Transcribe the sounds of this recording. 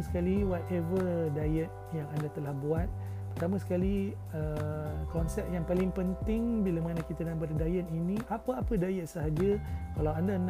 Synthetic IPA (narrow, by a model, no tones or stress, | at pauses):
sə̥kaliwɔt̪ɛvədajət̪̚jaŋandat̪əlahbuat̪̚ | pərt̪amãsə̥kali | əkɔnsɛp̚jaŋpalɪŋpənt̪ɪŋbilamanãkit̪adalampadadajət̪̚inĩʔapaapədajət̪̚səɦad͡ʒəkalawandan